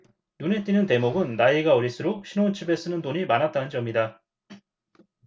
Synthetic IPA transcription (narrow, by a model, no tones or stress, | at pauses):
nune̞t͈inɯnte̞moɡɯnːaiɡaʌɾisʰɯɾok̚ɕʰinont͡ɕʰibe̞s͈ɯnɯndoɲimanɦat̚t͈anɯnd͡ʑʌmɲida